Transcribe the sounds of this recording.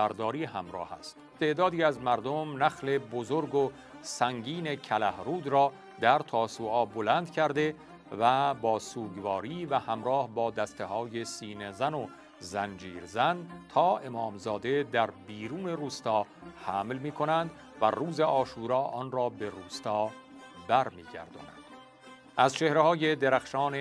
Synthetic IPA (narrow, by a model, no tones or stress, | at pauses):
æɾd̪ɒːɾiːhæmɾɒ̰ːhæ̰st̪t̪ʰːe̞ʔd̪ɒːd̪iːæzmæɾd̪omnæxle̞bozoɾɡo | sæŋɡiːne̞cʰælæhɾuːd̪ɾɒː | d̪æɾt̪ʰɒːsuːɒːbolænd̪kʰæɾd̪e̞ | væbɒːsuːɡvɒːɾiːvæhæmɾɒːhbɒːd̪æst̪e̞hɒːje̞siːnezæno | zænd͡ʒiːɾzænt̪ʰɒːʔe̞mɒːmzɒːd̪e̞d̪æɾbiːɾuːne̞ruːst̪ɒː | hæmlmiːkʰo̞nænd̪ | væ̰ruːzeʔɒːʃuːɾɒːʔɒːnrɒːbe̞ruːst̪ɒː | bæɾmiːɡæ̰ɾd̪ɒ̰ːnæ̰nd̪̥ | æzt͡ʃʰe̞hɾehɒːje̞d̪eɾæxʃɒːne